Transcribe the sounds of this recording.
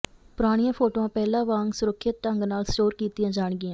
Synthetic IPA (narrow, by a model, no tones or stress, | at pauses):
pʊɾaːɽ̃ɪjãːpʰoːʈoːãːpɛːlãːʋãːŋɡsʊɾəkʰːɪt̪ːəŋɡnaːlsʈoːɾkiːt̪ɪjãːd͡ʒaːɳɡɪjãː